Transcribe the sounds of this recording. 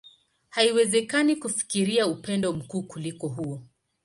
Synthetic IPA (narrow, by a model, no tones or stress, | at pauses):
haiwɛzɛkanikufi̥kiɾiaupɛndɔm̩kuːkulikɔɦuɔ